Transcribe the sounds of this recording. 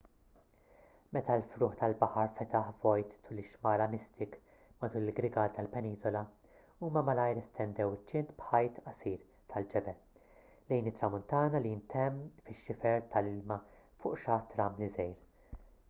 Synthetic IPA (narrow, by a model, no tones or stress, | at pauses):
mɛt̪ɐlfɾʊːħt̪ɐlbɐħɐɾfɛt̪ɐħvɔjt̪ːuːlɪʃmɐːɾɐmɪst̪ɪk | mɐt̪uːlɪlɡɾɪɡɐːlt̪ɐlpɛniːzɔlɐ | uːmɐmɐlɐjɾɛst̪ɛnd̪ɛwɪt͡ʃːɪnt̪bħɐjt̪ɐsiːɾ | t̪ʰɐld͡ʒɛbɛl | lɛjnɪt̪ːɾɐmʊnt̪ɐːnɐliɪnt̪ɛmːfɪʃːɪfɛɾt̪ʰɐlɪlmɐfʊːʔʃɐːt̪ːɾɐmlizɛjɾ